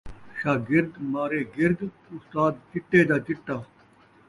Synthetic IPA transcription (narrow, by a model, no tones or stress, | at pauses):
ʃaːɡɪɾd̪maːɾeːɡɪɾd̪ | ʊst̪aːd̪̚d͡ʑɪʈːeːd̪aːd͡ʒɪʈːaː